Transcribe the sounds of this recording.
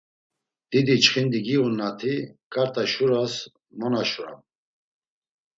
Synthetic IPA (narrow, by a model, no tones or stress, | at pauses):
d̪̥id̪it͡ʃχind̪iɡiunːat̪ʰikʼaɾt̪ʼaʃuɾas | mɔnaʃuɾa̰m